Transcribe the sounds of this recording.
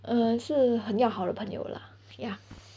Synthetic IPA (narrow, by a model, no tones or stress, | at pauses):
əʂɻ̩xənjɑʊxɑʊd̪ə̰pʰɤəŋjo̰ʊlə̰ | ja